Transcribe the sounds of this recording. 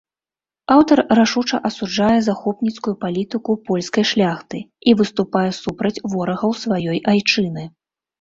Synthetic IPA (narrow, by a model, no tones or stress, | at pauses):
awt̪ɐrːaʂut͡ʂɐʔɐsud͡ʐajɛzaxɔpnʲit̪skujupalʲit̪ɨkupɔlʲskɐjʂlʲaxt̪ɨivɨst̪upajɛsupɾɐt͡sʲvɔɾɐɣɐwsvajɔjʔajt͡ʂɨnɨ